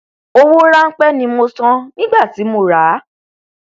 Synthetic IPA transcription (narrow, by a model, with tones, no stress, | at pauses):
o˦wo˦ɾa˦ŋ̩˦k͡pɛ˦nĩ˧mo˧sã˦nĩ˦ɡ͡ba˦˨ti˨˦mo˧˨ɾa˨˦